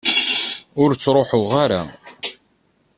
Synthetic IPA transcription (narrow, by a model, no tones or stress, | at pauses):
ʊɾt͡sːɾˤoħʊʁaɾa